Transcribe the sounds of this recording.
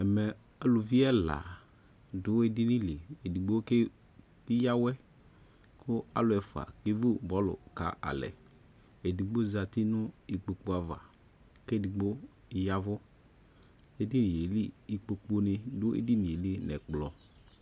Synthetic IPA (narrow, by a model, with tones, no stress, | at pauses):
ɛ˨mɛ˨ | ɛ˦lʊ˨vi˦ɛ˦la̰˨ | dʊ˨˦e˨dɪ˦ni˦li˨e˨di˨ɡ͡bo˦ke˦ | tɪ˦ja˦wɛ˦ | kʊ˦a̰˦lʊ˨ɛ˨fʊ˨a̰˨ke˦vu˦bɔ˦lʊ̰˨ka̰˨ʔa̰˨lɛ̰˨ | e˨di˨ɡ͡bo˦za˨tɪ˦nʊ˦i˨k͡po˨k͡po˨a˨va̰˨ | ke˦˨di˨ɡ͡bo˦ | ja˦vʊ˦ | e˦di˦ni˨je˨li˦i˨k͡po˨k͡po˦nɪ˧dʊ˦ḛ˦di˦nĩ˨e˨li˦nɛ̰˨k͡plɔ˨